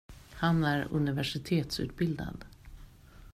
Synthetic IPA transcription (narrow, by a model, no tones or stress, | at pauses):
hanæɾɵ̰nɪvæʂɪt̪ʰeːt̪sʉ̟̰ːt̪̚bɪld̪a̰d̪